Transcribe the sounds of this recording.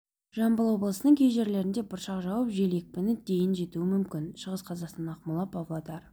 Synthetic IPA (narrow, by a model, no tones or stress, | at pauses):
ʒɑmbəlˠwo̞blˠəsənəɴkʲʰe̞jʒe̞ɾle̞ɾɪnd̪e̞bʊɾʃɑqʒɑwəpʒe̞le̞k̚pɪnɪd̪e̞jɪnʒe̞t̪uɪmʏmkʲɪnʃəʁəsqʰɑzɑqst̪ɑnɑqmʊlˠɑpʰɑvlˠɑd̪ɑɾ